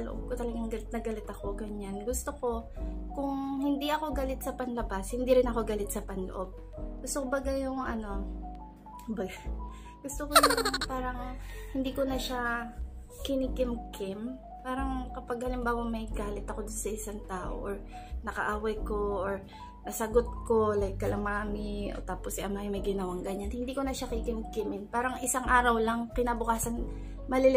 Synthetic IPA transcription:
ɐloʔob̚kot̪ɐlɐɡaŋɡɐlɪt̪̚nɐɡɐlɪt̪ɐko̞ɡɐɲanɡʊst̪oko̞kʊŋɦɪnd̪iʔɐko̞ɡaːlɪt̪̚sɐpɐnlɐbashɪnd̪iɾɪnɐko̞ɡalɪt̪̚sɐpɐnlo̰ʔo̞b̚ | ɡ̥ʊst̪okobɐɡajʊŋʔɐno̞ | kʊmbɐɡa | ɡ̥ʊst̪okojʊŋpaːɾɐŋhɪnd̪iːkonɐʃa | kɪnikɪmkʰɪm | paːɾɐŋkɐpaɡ̚hɐlɪmbaːwɐmɐjɡaːlɪt̪ɐko̞d̪ʊnsɐʔɪsaŋt̪aːʔo̰ʔoɹ | nɐkɐ̰ʔaːwɐjko̞ʔoɹ | nɐsɐɡot̪̚ko̞lɐjkːɐlɐmaːmɪʔo̰t̪aːposɪʔɐmajmɐjɡɪnɐwaŋɡɐɲanhɪnd̪iːkonɐʃakɪkɪmkɪmɪnpaːɾɐŋʔɪsaŋʔaːɾɐwlɐŋkɪnabʊkaːsɐn | mɐlɪl

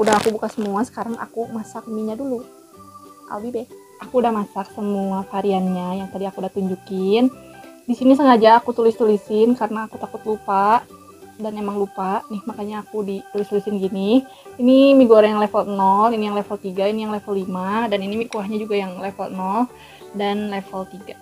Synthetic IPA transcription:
udahakubukasəmuasə̥kaɾaŋʔa̰kumasak̚miɲadulu | ʔa̰lbibɛ | ʔakuːdahmasak̚səmuafaɾianɲajaŋt̪adiakudat̪uɲd͡ʒukɪndisinisəŋad͡ʒaːkut̪ulɪst̪ulisɪnkaɾənaːkut̪akʊt̪lupaʔ | danemaŋlupaʔnɪhmakaɲaːkudit̪ulɪst̪ulisɪnɡinɪ | inimiɡuoɾaŋjaŋlefəlnɔlinijaŋlefəlt̪iɡainijaŋlefəlimadaninimikuaɦɲad͡ʒuɡajaŋlefəlnɔl | danlefəlt̪iɡa

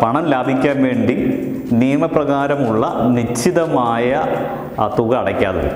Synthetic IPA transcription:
pɐɳɐnlaːbʱikʲːaːnʋe̞ːɳɖi | nijɐmɐprɐɣaːɾɐmuɭːɐnit͡ɕʰːiðɐmaːjɐ | t̪uɣɐːɽɐkʲːa̰ːðɨ̰

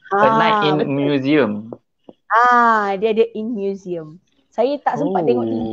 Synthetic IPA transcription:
ãənãĩnmjuziəm | ãdiadəʔinmjuziəm | sajat̪aʔsəmpat̪ːeŋɔʔt̪i

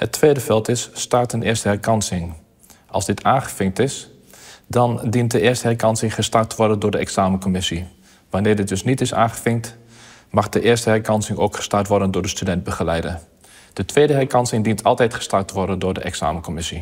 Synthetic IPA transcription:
hətʰːʋeːdəfɛlˠtɪsːtartənɪːstəhɛrkɑnsɪŋ | ʔɑ̰lˠzdɪtʰaːnxəfɪŋtɪs | dɔndint̚dəɪərstəhɛrkɑnsɪŋχəstartəʋɔrdəndʊːɹdəɛksaːməkomɪsi | ʋanɪːrdɪt̚dɵsnitɪsa̰ːnχəfɪŋt | maxdəʔɪərstəhɛrkɑnsɪŋoːkχə̥startʋɔrdəndʊːrdəstydɛnt̚bəɣəlɛjdən | d̥ətʰʋeːdəɦɛrkɑnsɪŋdintʰɑlˠtɛjtχə̥startəʋɔrdəndʊːɹdə̰ʔɛ̰ksa̰ːməkomɪsi

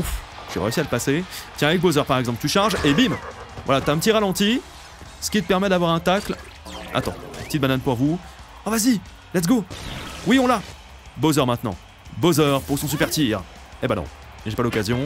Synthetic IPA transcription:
ufʒɥḭʁḛysialəpaset̪jɛ̃avɛk̚bozœʁpaʁɛɡzɑ̃plt̪yʃaʁʒebimvwalat̪yaɛ̃pət̪iʁalɑ̃t̪i | sə̥kʲit̪ə̥pɛʁmɛd̪avwaʁɛ̃t̪akl | a̰t̪ɑ̰̃pət̪it̪̚bananpuʁvu | ãvazi | lɛt̪ɡowiɔ̃la | bozœʁmɛ̃t̪nɑ̰̃ | bozœʁpuʁsɔ̃sypɛʁt̪iʁ | ebanɔ̰̃ | ʒepalɔkazjɔ̃

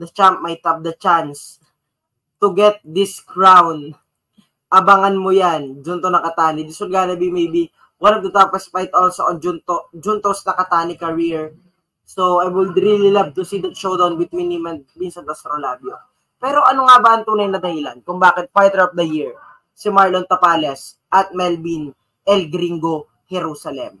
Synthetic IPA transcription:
d̪ɐt͡ʃamp̚majt̪hɐp̚d̪ɐt͡ʃans | t̪uɡɛt̪̚d̪ɪskɹawn | ʔɐbaŋɐnmojand͡ʒunt̪onɐkɐt̪aːnɪd̪ɪsolɡaːnɐbimejbi | wɐnɐp̚t̪ʊt̪apɐspajt̪olsɐʔod͡ʒʊnt̪od͡ʒunt̪osnɐkɐt̪aːnɪkɐɹiɹ | soajwɪd̪ɾililɐv̚t̪ʊsiːd̪ɐt̪ʃowd̪ɐwnwɪd̪̚minimɐnminsɐnt̪ɐst̪ɾolaːbjo | pɛːɾo̞ʔɐnoŋabɐɐŋt̪uːnɐjnɐd̪ɐhɪla̰nkʊŋbaːkɪt̪̚faɹt̪ɛɹɐf̚d̪ɐjiɹ | sɪmaɹlont̪ɐpaːlɛs | ʔɐt̪̚mɛlbin | ʔɛlɡɾiŋɡo̞ | hɛɾuːsɐlɛ̰m

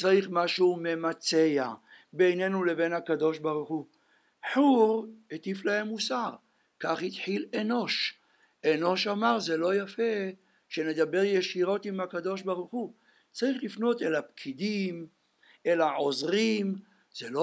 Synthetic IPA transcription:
t͡saʁiχmaʃume̞mat͡seja | bejne̞nule̞venhakad̪o̞ʃbaʁuχu | ħuʁet̪iflahe̞mːusaʁ | kaχhit̪ħileno̞ʃ | eno̞ʃamaʁzelo̞jafe̞ | ʃene̞d̪abeʁjeʃiʁo̞t̪imhakad̪o̞ʃbaʁuχu | t͡saʁiχlifno̞t̪elapkʰid̪im | e̞laʕozʁim | z̥elo

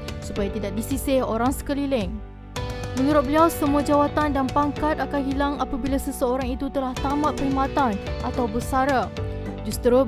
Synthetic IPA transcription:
supajat̪idak̚disisɪhoɾaŋsə̥kəlilɪŋ | mə̃nuɾʊt̪̚bəliawsəmuad͡ʒawat̪andanpaŋkat̪akanɦilaŋapabilasəsəoɾaŋit̪ut̪əlaht̪amat̪̚pəɾimat̪anat̪awbəsaɾa | d͡ʒust̪ɾu

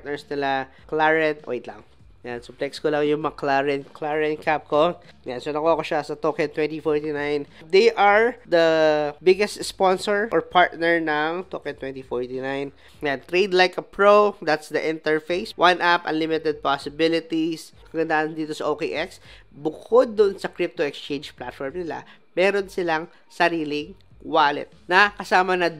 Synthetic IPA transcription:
t̪nɛɹsnɪla | klaɹɛnt̪ʔo̰jt̪lɐ̰ŋ | jansʊplɛkskolɐŋjʊŋmɐŋaklaɹɛnklaɹɛnkap̚ko | jansonɐkoɐkoʃasɐt̪oːkɛnt̪wɛ̃nt̪ifɔɹt̪inajnd̪ɛjʔɐɹd̪ɐbɪɡɛst̪sponsɔɹʔɔɹpʰaɹt̪̚nɛɹnɐŋt̪oːkɛnt̪wɛnt̪ifɔɹt̪inajn | jant̪ɾejd̪lajkɐpɹowd̪at̪sd̪ɐʔɪ̃nt̪ɛɹfejswʔanʔapɐ̰nlɪmɪt̪ɛd̪̚pasɪbɪlɪt̪iskɐɡɐnd̪aʔɐnd̪iːt̪osɐʔokeʔɛksbʊkʰod̪̚ːʊʔnsɐkɾɪp̚t̪oɛkst͡ʃẽjnd͡ʒplat̪fɔɹmnɪla̰ | mɛːɾonsɪlaŋ | sɐɾiːlɪŋ | waːlɪ̰t̪̚nɐkɐsaːmɐnɐ

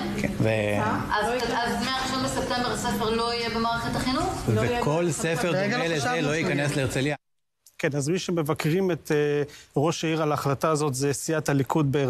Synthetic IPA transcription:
keveazazmeaʁiʃonbesep̚t̪embeʁasefeʁlo̞ijebemaːʁeχet̪aχinuχvekʰolsefeʁeleeloikanesleːʁt͡selia | kenazmiʃe̞me̞vakʁimeteʁo̞ʃaiʁalaːχlataːzo̞t̪zesiatalikud̪̚beː

